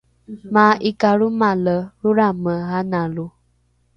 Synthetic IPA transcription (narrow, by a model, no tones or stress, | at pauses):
maʔikaɺumaləɾuɾaməɦanalu